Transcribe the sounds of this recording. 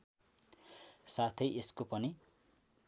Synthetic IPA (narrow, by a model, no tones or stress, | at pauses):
sat̪ʰʌjʔeskopʌni